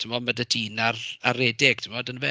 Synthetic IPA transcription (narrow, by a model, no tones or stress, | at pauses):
tʰɪmɔmədədiːnaraɾɛːdɪɡ̥tʰɪmɔdənvɛ